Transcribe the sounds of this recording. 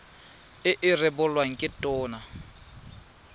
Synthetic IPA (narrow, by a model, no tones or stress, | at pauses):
ɪʔɪrɪbʊlwaŋ̩kʼɪtʼʊːna